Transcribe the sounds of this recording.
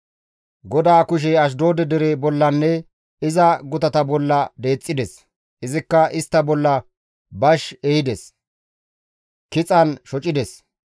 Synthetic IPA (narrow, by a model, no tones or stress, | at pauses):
ɡɔd̪aːkʊʃ̬ɛɐʃ̬d̪o̞ːd̪ɛd̪ɛɾebɔlːɐnːɛ | ɪzɐɡʊt̪ɐt̪ɐbɔlːɐd̪e̞ːt͡sʼːɪd̪ɛs | ɪzɪkːɐʔɪst̪ːɐbɔlːɐ | bɐʃɛjɪd̪ɛs | kɪt͡sʼɐnʃɔt͡ʃʼɪd̪ɛs